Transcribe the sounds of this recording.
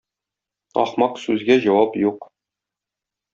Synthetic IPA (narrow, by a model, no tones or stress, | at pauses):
ɒ̰χmɑqsʉzɡæʑɒwɑpjuq